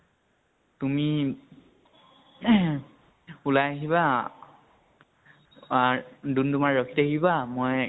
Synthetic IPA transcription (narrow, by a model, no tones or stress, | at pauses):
tumi | ulajaɦiβa | dundumaɹɹɔkʰitaɦibamoj